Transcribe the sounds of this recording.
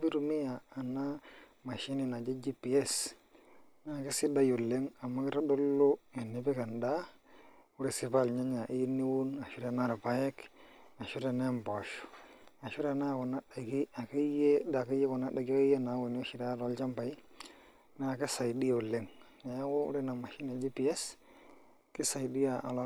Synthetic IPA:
bi˦ɾu˨mi˦jaː˨na˦ | ma˨ʃi˦ni˨na˨d͡ʒe˦d͡ʒi˦pi˨e˦s | na˦˨ki˦si˦da˦jo˨lːe˦ŋa˨mːa˦ki˦ɾa˦do˦lːo˦i˨nːi˨bi˦ka˨nda˦ | pu˦ɾi˨si˨pa˦˨lɲa˦ɲa˨ʔi˦nːi˦wu˦na˨ʃu˦ɾe˨na˦ɾa˨pa˨je˦k | a˨ʃu˦ɾe˨ne˦mbo˨ʃu̥˨a˨ʃu˦ɾe˨na˦ko˨na˦da˨ki˦a˨ke˦je˦da˨ke˦je˦ko˨na˦ɗa˨ɡke˦je˦na˨˦wu˨n˦o˦ʃi˨ɾa˦˨ɾo˨˦lt͡ʃa˦mpa˨i˦ | na˨ki˦sa˨i˨di˦jo˨le˦ŋna˨ja˦ko˦ṵ˦ɾe˦na˨ma˨ʃi˦na˨d͡ʒi˦pi˨e˦s | ki˦sa˨jdi˦ja˨ʔa˨lo˦

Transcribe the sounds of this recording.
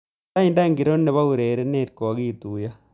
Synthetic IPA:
a˦inda˦ŋɡiɾo˦nːe˨βa˦uɾeː˨ɾe˦ne˨ɾiko˨ɣiːtu˨ja

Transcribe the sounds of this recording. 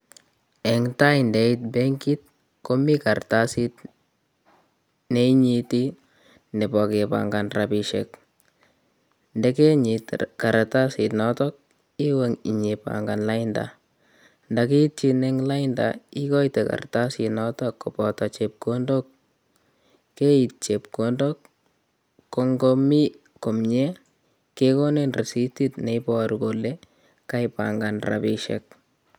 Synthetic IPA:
ɛ˨ŋta˦indɛ˦i˦t̚bɛ˦ŋɡi˦t̚ | ko˦mi˦ka˨rta˦si˦t | ne˦i˦ɲi˧ti˦ | ne˨pɔ˨ke˨pa̰˨ŋɡa˨nrapi˨ʃek | ndɛ˦ke˦ɲitka˨ɾata˦si˨tnɔtɔ˦k̚ | i˦we˦ŋḭ˨ɲi˨pa̰ŋɡa˨nla˦ɪnda̰ | ndaki˦t̚t͡ʃine˦ŋla˦ɪnda̰˨i˦kɔ˦jte˨ka̰˨rta˦sɪ˨tnɔtɔ˦kːɔ˨pɔta˨t͡ʃe˨p̚ko˦ndo˦k̚ | e˦i˨t̚t͡ʃe˨p̚kondɔ˦kː | o˨ŋɡo˦mi˦ | ko˨mɲe˦ | ke˦ko˦ne˦nre˨si˦ti˦tne˨pɔaɾuɡole˦ | ka˦jpa̰ŋɡa˨nra̰bi˦ʃɛ̰k̚

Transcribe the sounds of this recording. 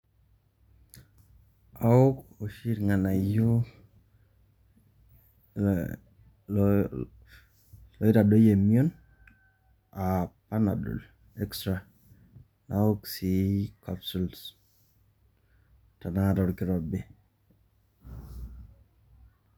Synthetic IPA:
aʊ˦kɔ˨ʃi˦ɾŋa˨na˨jo˦ | lɔ˨˦i˦ta˨dɔ˦je˨mi˦o˦n | a˨pa˦na̰˨dɔ̰˨l | ɛ˦kstɾa˨ | naʊ˦ksi˨kapsu˨ls | ta˨na˦ŋa˨tɔ˨ɾkɪ˦ɾɔ˨bɪ˦

